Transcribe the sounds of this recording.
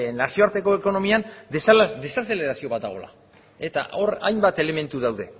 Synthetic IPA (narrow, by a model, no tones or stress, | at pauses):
nasio̞aɾt̪e̞ko̞e̞ko̞no̞miansd̪e̞sase̞le̞ɾasio̞βat̪̚d̪a̰ɣ̞o̞la̰ | e̞t̪a̰ʔo̞ɾa̰jmbat̪e̞le̞me̞nt̪uðawðe̞